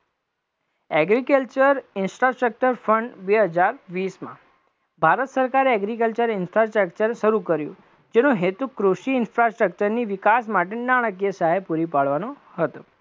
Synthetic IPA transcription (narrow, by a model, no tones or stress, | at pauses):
ɛɡɾikəlt͡ʃəɾɪnsʈɾasʈɾək̚t͡ʃəɾfəɳɖbeɦəd͡ʒaɾʋismã̰ | bʱaɾət̪səɾkaɾeɛɡɾik̬əlt͡ʃəɾɪnfɾasʈɾəkt͡ʃəɾʃəɾukəɾjṵ̃ | d͡ʒenũɦet̪ukɾuʃiɪnfɾasʈɾək̚t͡ʃəɾniʋɪkasmaʈ̬enaɽ̃əkjəsaɦepuɾipaɭʋano | ɦət̪o